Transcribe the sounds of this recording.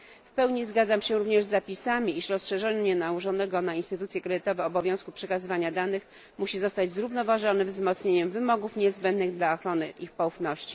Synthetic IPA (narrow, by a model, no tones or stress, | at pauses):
fpɛwɲizɡad̪zamɕɛɾuvɲɛʐzːapʲisamʲiiʂɾɔsʂɛʐɛɲɛnauʐɔnɛɡɔnainst̪ɘt̪ut̪sʲjɛkɾɛd̪ɘt̪ɔvɛɔbɔvʲjɔ̃w̃skupʂɛkazɘvaɲad̪anɘx | muɕizɔst̪ad͡ʑzɾuvnɔvaʐɔnɘvzmɔt̪sɲeɲɛmvɘmɔɡufɲɛzbɛnd̪nɘɣd̪laɔxɾɔnɘʔixpɔufnɔɕt͡ɕi̥